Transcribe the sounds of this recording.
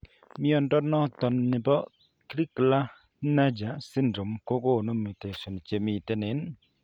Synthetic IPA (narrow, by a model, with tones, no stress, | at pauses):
mi˦ɔ˨ndɔ˦nɔ˦t̪ɔ˨nːɪ˨bɔ˦ | kɾi˦kla˦ | na˦d͡ʒa˨si˦ndɾo˨mko˦ko˦˨nu˦mi˨te˨sɔ˨n˨t͡ʃe˨mi˨t̪e˧ne˨˦n